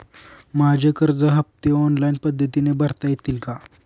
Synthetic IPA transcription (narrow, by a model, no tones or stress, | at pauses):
mad͡ʑʱekəɾd͡zəɦəp̚t̪eɔnlainpəd̪ʱːət̪inebʱəɾt̪ajet̪iːlka